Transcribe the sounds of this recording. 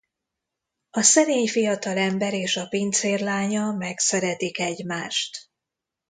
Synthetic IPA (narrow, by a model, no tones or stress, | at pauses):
ɒsɛneːɲfijɒt̪ɒlɛmbɛɾeːʃɒpint̪seːrlaːɲɒmɛksɛɾɛt̪ikɛɟmaːʃt̪